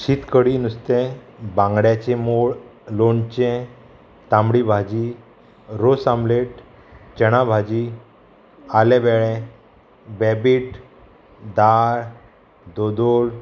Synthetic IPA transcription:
ɕit̪kəɽinust̪ẽbãŋɡɽjat͡ɕemoɭloɳt͡ɕẽ | t̪ãmɽibʱad͡ʑi | ɾosãmleʈ | t͡ɕəɽ̃abʱad͡ʑi | alɛ̃bɛɭɛ̃ | bɛbiːʈ | d̪aɾ | d̪od̪ol

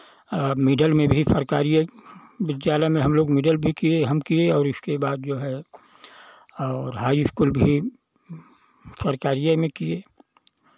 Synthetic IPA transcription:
mɪɖəlmẽbʱisəɾkaːɾijəbɪd͡ʒd͡ʒaːlamẽɦɐmloːɡmɪɖəlbʱikieɦɐmkieɔːɾɪskebaːd̪d͡ʒoːɦɛ | ɔːɾɦaːjɪskulbʱi | səɾkaːɾijəmẽkieː

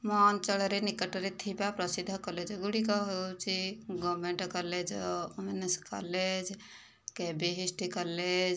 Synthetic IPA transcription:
mɔnt͡ʃəɭɾenikəʈəɾet̪ʰipapɾəsid̪ʱːəkəled͡ʒəɡuɽikaɦot͡ʃiɡɔmeɳʈkəɾled͡ʒumenəska̰led͡ʒ | kebeɦisʈikəled͡ʒ

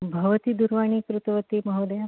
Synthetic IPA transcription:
bʱɐʋət̪id̪uɾʋaɳ̃ikɾut̪ʰʋət̪imɐɦod̪ja

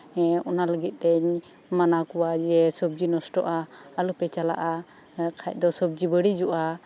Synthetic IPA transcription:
ɔnaləɡit̪̚ˀt̪ɛɲ | manakɔwad͡ʒɛsəb̚d͡ʒinɔsʈɔʔaəlupɛt͡ʃala̰ʔa | kʰac̚ˀd̪ɔsəb̚d͡ʒibəɽid͡ʒuʔa

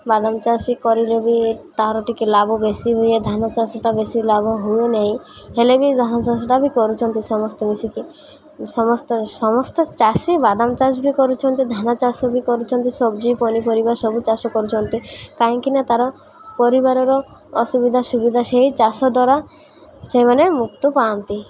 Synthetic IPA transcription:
bad̪amt͡ʃasikɔɾilebit̪aɦɾɔʈikilabɔbesiɦujed̪ʱanat͡ʃasɔʈabesilabɔɦujonaɦĩ | helebid̪ʱanat͡ʃasɔʈabikɔɾut͡ʃʰɔnt̪isɔmɔst̪ɔbisiki | sɔmɔst̪ɔsɔmɔst̪ɔt͡ʃasibad̪amt͡ʃasbikɔɾut͡ʃʰɔnt̪id̪ʱanat͡ʃasɔbikɔɾut͡ʃʰɔnt̪isɔbd͡ʒipɔnipɔɾibaɾsɔbut͡ʃasɔkɔɾut͡ʃʰɔnt̪ikaɦĩŋkinat̪aɾɔ | pɔɾibaɾɔɾɔ | ɔsubid̪ʱasubid̪ʱaseɦit͡ʃasɔd̪ɔɾa | semanemuk̚t̪ɔpaːnt̪i

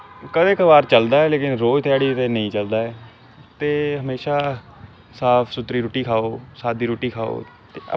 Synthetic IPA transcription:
kəbeːkəʋaːɾt͡ʃəld̪aːɛːleːkɪnɾoːt̪ʰaːɽiːt̪eːnəĩːt͡ʃəld̪aːɦɛː | t̪eːɦəmeːʃaː | saːpʰsʊt̪ɾiːɾoːʈiːkʰaːoːsaːd̪iːɾoːʈiːkʰaːo̰ː | t̪eːə̰

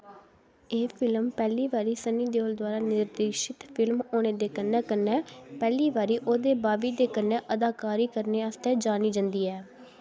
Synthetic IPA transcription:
eːpʰɪlmpɛːliːʋaːɾiːsəniːd̪eːoːld̪waːɾaːnɪɾd̪eːʃɪt̪pʰɪlmoːneːd̪eːkənːɛːkənːɛːpɛːliːʋaːɾiːʔoːd̪eːbaːʋiːd̪eːkənːɛːʔəd̪aːkaːɾiːkəɾneːəst̪ɛːd͡ʒaːniːd͡ʒə̃nd̪iːɛː

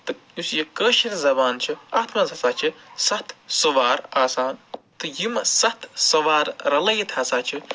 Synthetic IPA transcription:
t̪ɨ | isjikəːʃinzɐbaːnt͡ʃʰiaːt̪ʰmɐzɐsaːt͡ʃʰisɐt̪ʰsɐʋaːɾaːsaːnt̪ɨjimɐsɐt̪ʰsɐʋaːɾɾɐlɐjit̪ʰɐsaːt͡ʃʰi

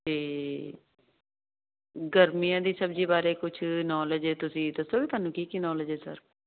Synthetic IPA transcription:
t̪eː | ɡəɾmijãːd̪iːsəbd͡ʒiːbaːɾeːkʊt͡ʃʰnɔːləd͡ʒeːt̪ʊsĩːd̪əsoːbiːt̪aːnũːkiːkiːnɔːləd͡ʒeːsə̰ɾ

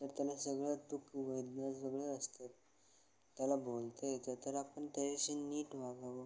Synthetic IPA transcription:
t̪əɾt̪jalasəɡɭad̪ukʋəjd̪nasəɡɭəəst̪at̪ː | jalabolt̪əjet̪at̪əɾapəɳʈəjɕinːiːʈʋaɡaʋə

